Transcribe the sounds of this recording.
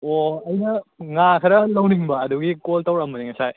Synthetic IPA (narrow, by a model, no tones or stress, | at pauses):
oɐjnɐŋakʰɐɾɐlɐwniŋbɐːd̪uɡikoltawɾamɐniŋɐsaj